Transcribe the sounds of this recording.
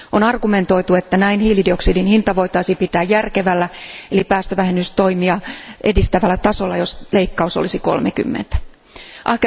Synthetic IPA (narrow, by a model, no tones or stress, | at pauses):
onɑrɡume̞nt̪o̞jt̪ue̞t̪ːænæinhiːlidio̞ksidinhint̪ɑʋo̞jt̪ɑisipit̪æːjjærke̞ʋælːæelipæːst̪øʋæhenːyst̪o̞jmiɑʔe̞dist̪æʋælːæt̪ɑso̞lːɑjo̞sle̞ikːɑusolisiko̞̰lmeky̰mːḛnt̪æ̥ | ʔɑhk